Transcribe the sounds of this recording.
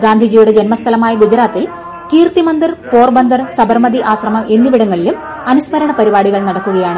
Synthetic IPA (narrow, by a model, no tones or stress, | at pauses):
ɡaːnd̪ʱid͡ʑijuɽe̞d͡ʑe̞nmɐst̪ʰɐlɐmaːjɐɡud͡ʑɐɾaːt̪ːil | kiːrt̪imɐnd̪irpo̞ːrbɐnd̪ʱɐrsɐbɐrmɐd̪iʔaːɕrɐmɐmʔe̞nːiʋiɽɐŋːɐɭilum | ɐnusmɐɾɐɳɐpɐɾibaːɽiɣɐɭnɐɽɐkːuɣɐjaːɳɨ